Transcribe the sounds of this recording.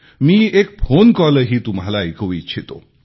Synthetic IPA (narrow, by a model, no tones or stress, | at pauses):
miːek̚fʰonkɔləɾɦiːt̪umɦalaikʰəʋit͡ɕʰit̪o̰